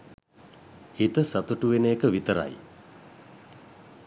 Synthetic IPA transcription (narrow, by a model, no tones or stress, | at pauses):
hit̪əsat̪uʈuʋeneːkəʋit̪əɾa̰j